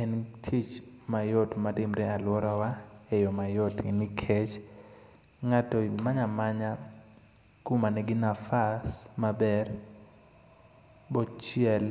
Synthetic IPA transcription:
ɛntʰit͡ʃmajotmatɪmɾɛalwɔɾawaɛjɔmajotnɪkʰɛt͡ʃ | ŋatɔmaɲamaɲa | kumanɛɡɪnafasmabɛr | bɔt͡ʃɪɛl

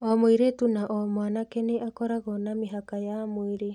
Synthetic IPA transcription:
ɔmoiɾetunaʔɔmwanakeneʔakɔɾaɣɔnameɦakajamwiɾe

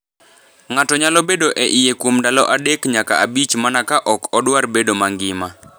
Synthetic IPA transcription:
ŋatɔɲalɔbedoʔɛʔijekwomdalɔʔadekɲaka̰abit͡ʃmanakaʔɔkɔdwarbedomaŋɡɪma

